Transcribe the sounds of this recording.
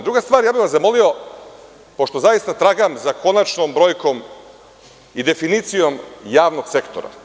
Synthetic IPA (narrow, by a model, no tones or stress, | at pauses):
d̪ɾuɡast̪ʋaːɾjaːbiʋazamo̞lio̞ | po̞ʃt̪o̞zajist̪at̪ɾaɡamzako̞nat͡ʃnombɾo̞ːjkom | id̪e̞finit̪sijo̞mjaːʋno̞ɡse̞kt̪o̰ɾa̰